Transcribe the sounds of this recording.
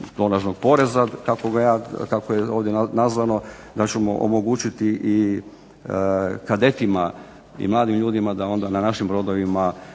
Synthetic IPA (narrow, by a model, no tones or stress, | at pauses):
d̪o̞naʒnoɡ̥̚po̞ɾe̞zakako̞ɡajaːkakojeoːʋd̪jeanazʋano̞ | d̪at͡ɕemo̞ʔo̰moɡut͡ɕit̪iʔi | kad̪e̞t̪ima | ḭmlˠaːd̪imʎuːd̪imad̪ao̞nd̪ananaʃimbɾo̞d̪o̞ʋima